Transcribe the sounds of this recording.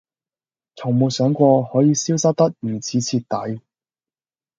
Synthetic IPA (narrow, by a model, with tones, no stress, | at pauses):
t͡sʰʊ˨˩ŋmuː˨˩sœː˨˥ŋkʷɔː˧hɔː˨˥jiː˧siː˥wsɐ˥t̚t̪ɐ˥k̩̚ː˨˩t͡sʰiː˨˥t͡sʰiː˧t̚t̪ɐ˨˥j